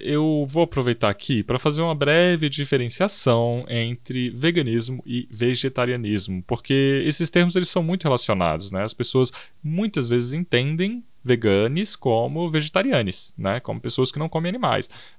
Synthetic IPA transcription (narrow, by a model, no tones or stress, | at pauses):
ewvowapɾovejt̪aɾakʰipɾɐfazeɾũmɐbɾɛvɪd͡ʒifeɾẽsiasɐ̃w̃ẽnt̪ɾɪveɡɐ̃nizmʊɪveʒet̪aɾiɐnizmʊpoɾkeesɪst̪eɾmʊzelɪsɐ̃w̃mũj̃t̪ʊhelasiona̰d̪ʊsnɛɐspesoɐs | mũj̃t̪ɐzvezɪzẽnt̪ẽnd̪ẽj̃ | veɡɐ̃nɪskõmʊveʒet̪aɾiɐ̃nɪsnɛkõ̰mʊpesoɐskɪnɐ̃w̃kõmẽanima̰js